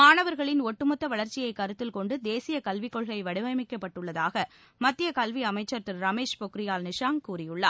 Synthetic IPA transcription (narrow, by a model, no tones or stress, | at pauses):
maːnɐʋɐɾɣɐɭɪnɔʈːɯmɐt̪ːɐʋɐɭɐɾt͡ʃɪjɐɪkɐɾɯt̪ːɪlkɔɳɖɯd̪eːsɪjɐkɐlʋɪkːɔɭɣɐɭɐɪʋɐɽɯʋɐɪmɪkːɐpːɐʈːɯɭːɐðaːɣɐ | mɐt̪ːɪjɐkɐlʋiɐmɐɪt͡ʃːɐɾt̪ɯɾɾɐmeːʂpɔkɾɪjaːlnɪʂaːŋkuːrɪjɯɭːa̰ː